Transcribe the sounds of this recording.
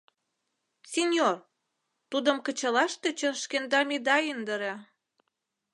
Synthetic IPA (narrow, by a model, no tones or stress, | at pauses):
sʲenʲjor | t̪ud̪ə̆mkə̆t͡ɕəlɑʃt̪et͡ɕənʃkend̪ɑmid̪ɑind̪əɾɑ